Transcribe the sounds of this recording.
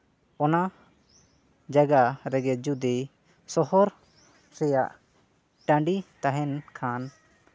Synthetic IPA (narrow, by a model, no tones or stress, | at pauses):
ɔna | d͡ʒaɡaɾɛɡɛd͡ʒud̪i | sɔhɔɾ | ɾɛjaʔ | ʈãɳɖit̪aɦɛnkʰan